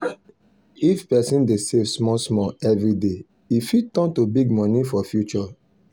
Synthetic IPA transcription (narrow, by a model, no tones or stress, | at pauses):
ifpɛsĩndesevsmɔsmɔɛvɾide | ifitɔ̃ntobiɡmɔ̃nifɔfjut͡ʃɔ